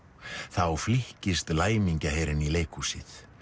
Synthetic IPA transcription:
θawflɪhcɪst̪laːjmiɲcaɦeːjɾɪnileːjkʰusɪθ

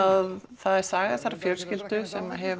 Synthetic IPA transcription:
aðθaðɛɾ̥saːɣḁθaɾafjœl̥scɪlt̪ʏsɛmaɦɛv

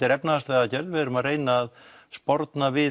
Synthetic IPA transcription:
ɪɾɛpnaast̪lɛaðcɛɾðɪvɛːɾʏmaðreːjnaːðspɔɾt̪navɪ

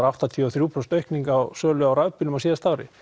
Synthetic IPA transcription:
ɾaft̪at̪ʰiaθɾjuːpʰɾɔst̪œɥhkniŋkawsœːlʏawɾaɥpɪlʏmasiːðast̪avɾɪ̰

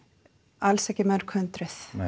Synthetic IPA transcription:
alsɛcɪmɛɾ̥kʰœnt̪ɾɪθ

